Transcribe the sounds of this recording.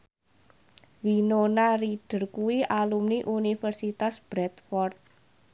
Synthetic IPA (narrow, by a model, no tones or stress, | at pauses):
winonariɖ̥ə̤rkuwialumniʔunifərsit̪asb̥ɾɛt̪fɔrt̪̚